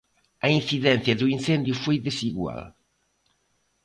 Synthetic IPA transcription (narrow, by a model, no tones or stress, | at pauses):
ɐinθiðɛn̟θjɐðuin̟θɛnd̪jufojðesiɣwa̰l